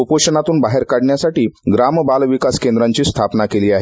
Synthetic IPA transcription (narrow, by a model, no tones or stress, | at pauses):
opoɕənat̪uːnbaɦeɾkaɽɳjasaʈiːɡɾaməbalʋikaskend̪ɾaɲt͡ɕiːst̪ʰapnakeliːaɦe